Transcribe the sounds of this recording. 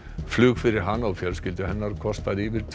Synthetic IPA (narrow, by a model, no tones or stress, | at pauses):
flʏːɣfɪɾɪɾ̥ɦanːawfjɛɾscɪlt̪ʏɦɛnːaɾkʰɔst̪aɾivɪɾ̥t̪ʰ